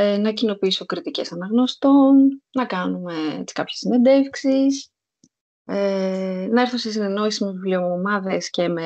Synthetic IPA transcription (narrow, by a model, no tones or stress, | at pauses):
enɐcino̞piiso̞kɾit̪ice̞̰sɐnɐɣno̞st̪o̞nnɐkɐnume̞ḛt͡si̥kɐpçesinend̪e̞fksis | enɐeɾθunsesine̞no̞isizmevivblio̞mɐðe̞sce̞me